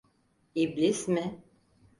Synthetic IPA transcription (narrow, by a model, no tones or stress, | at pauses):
iblʲismɪ